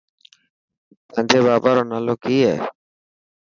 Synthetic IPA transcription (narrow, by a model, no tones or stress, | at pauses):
t̪ə̃ːnd͡ʒʱeːbaːbaːɾoːnaːloːkiːɦɛː